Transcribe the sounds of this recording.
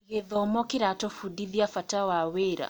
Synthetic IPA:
ɣeðɔmɔkeɾatɔfudiðiafatawaweɾa̰

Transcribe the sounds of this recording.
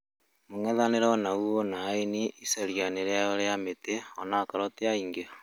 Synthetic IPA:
moŋɛðaneɾɔnauonaːeniʔisaɾjaneɾeaɔɾeameteɔnakaɾɔteaiŋɡe

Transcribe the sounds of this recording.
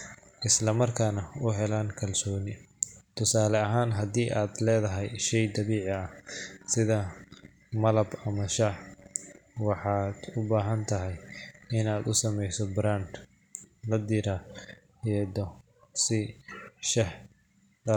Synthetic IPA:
ʔɪslɐmɐrkʰaːnɐʊɦɛlaːnkʰɐlsɔːnɪt̪ʰʊsaːlɛɐɦaːnɦɐd̪iːʔaːd̪lɛːðɐɦɛjʃɛjd̪ɐβiːʕɪɐsɪðɐ | mɐlɐbɐmɐʃɑʕ | wɑħɑːd̪̥ʊbaːɦɐnt̪ʰɐɦɛjɪnaːd̪ʊsɐmɛjsɔbɾaːnd̪ | lɐd̪ɪɾa | ɛd̪ɔ | sɪʃɐh | dɐ

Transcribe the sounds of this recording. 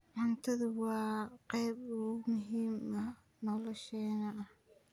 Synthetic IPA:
ʕʊnt̪ʰɐðʊwɑːqɛjbʊʊmʊɦiːmɐ | nɔlɔʃɛːnɐʔɐh

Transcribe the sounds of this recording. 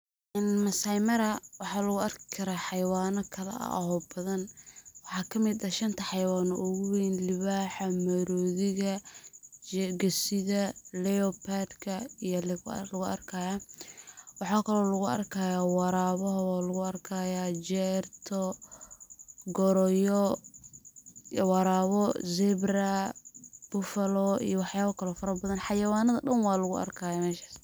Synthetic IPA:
ʔɛnmɐsajmɐɾɐwɑħɑːlɐɣʊɐrkɪ̥kʰɐɾaħɑjwaːnɔkʰɐlɛ̰ʔɐ̰ʔɐ̰hɔbɐðɐnwɑħɑːkʰɐmɪd̪ɐʃɐnt̪ʰɐħɑjwaːnɔʔʊɣʊwinlɪβaːħɐmɐɾɔːðɪɣɐ | ɡɐsɪðɐlɛɔpʰad̪kʰɐijɔllɐɣʊʔɐ̰rkʰɐjaː | wɑħɑːkʰɐlɔːlɐɣʊɐ̰rkʰaːjaːwɑɾaːβɔɦwaːlɐɣʊɐrkʰajad͡ʒɛrt̪ʰɔ | ɡɔɾɔjɔ | wɑɾaːβɔzɛbrɐ | b̥ʊfɐlɔḭjɔwɑħjaːβɐkʰɐlɔːfɐɾɐbɐðɐnħɑjɐwaːnɐðɐɖɐnwɑːlɐɣʊ̰ʔɐ̰rkʰaːjaːmɛːʃḁːs

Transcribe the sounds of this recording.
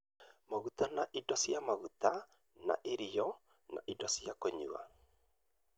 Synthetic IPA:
maɣut̪anaʔidɔsiamaɣut̪a | na̰ʔeɾijɔ | na̰ʔidɔsijakɔɲṵa̰

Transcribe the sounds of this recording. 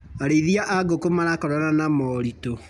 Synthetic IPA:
aɾeiðiaʔaɡokomaɾakɔɾananamɔɾito

